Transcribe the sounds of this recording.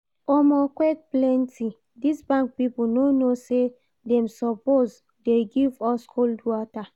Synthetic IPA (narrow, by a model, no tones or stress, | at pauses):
ɔmɔkwɛk̚plɛ̃ntʰi | disbãŋk̚pipunonose | dɛ̃msɔpoz | deɡivɔskʰoldwɔta